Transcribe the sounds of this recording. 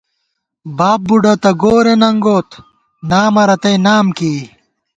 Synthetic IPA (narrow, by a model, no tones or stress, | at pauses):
baːp̚buɖɐt̪ɐɡoːɾenɐŋɡoːt̪ | naːmɐɾɐt̪ɐjnaːmkiː